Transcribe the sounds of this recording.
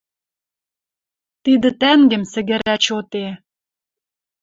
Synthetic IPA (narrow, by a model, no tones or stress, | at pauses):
t̪id̪ə̆t̪æŋɡɘ̆msɘ̆ɣɘ̆ɾæt͡ɕot̪e